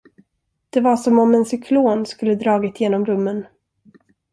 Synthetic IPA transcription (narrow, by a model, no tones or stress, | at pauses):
d̪̥ɛvaʂɔmɔmɛnsʏkʰloːnskɵlːəd̪ɾɑːɡɪt̪ʰːjeːnɔmɾɵmːən